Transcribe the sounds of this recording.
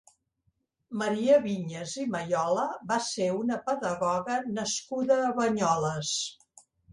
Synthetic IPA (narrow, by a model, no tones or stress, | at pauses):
məɾiəβiɲəziməjɔləβaseunəpəðəɣɔɣənəskuðəːβəɲɔləs